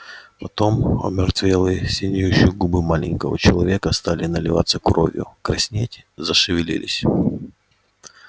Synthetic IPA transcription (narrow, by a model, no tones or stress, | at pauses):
pɐt̪o̞mɐ̰mʲɪrt̪vʲelˠɨsʲɪnʲɪjʊɕːɪjʊɡubɨmalʲɪnʲkəvə̰t͡ɕɪlˠɐvʲekəst̪alʲɪnəlʲɪva̰t̪səkɾo̞̰vʲjʊ̰kɾɐsʲnʲetʲɪzəʂɨvʲɪlʲḭlʲɪ̰sʲ